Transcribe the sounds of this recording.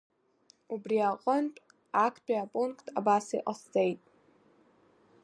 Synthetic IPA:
ubriaqʼəntʼ | akʰbiapʼuŋkʰʼtʰabasḭʔʼast͡sʼejtʼ

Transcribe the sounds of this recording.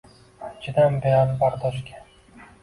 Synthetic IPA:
at͡ʃʰɪd̪anbejanbaɾd̪ʰɒʃ̬kʲʰḁ

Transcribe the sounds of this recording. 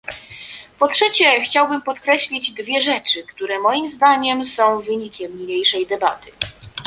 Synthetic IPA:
pɔtʂɛt͡ɕɛxt͡ɕawbɘmpɔt̪kɾɛɕlʲid͡ʑd̪vʲjɛʐɛt͡ʂɘkt̪uɾɛmɔjimzd̪aɲɛmsɔ̃w̃vɘɲikʲɛmɲiɲejʂɛjd̪ɛba̰t̪ɘ

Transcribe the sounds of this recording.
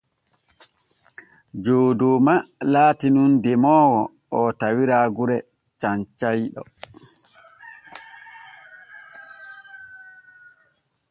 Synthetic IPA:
d͡ʒoːdomalaːtinundɛmɔːwɔ | ʔɔtawiɾaɡuɾɛ | t͡ʃaɲt͡ʃajɗɔ̰

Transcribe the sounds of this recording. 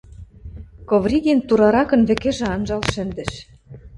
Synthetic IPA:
kovrʲiɣʲent̪uɾɑɾɑkɤ̆nβɘ̆kĕʒĕɑnʒɑlʃɘ̆nd̪ɘ̆ʃ

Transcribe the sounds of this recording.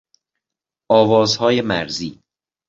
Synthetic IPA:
ʔɒːvɒːzhɒːje̞mæ̰ɾziː

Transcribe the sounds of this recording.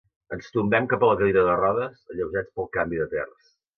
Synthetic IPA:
ənst̪umbɛmkapələkəliɾəðərɔðəsəʎəwʒat͡spəlˠkambiðət̪ɛ̰rəs

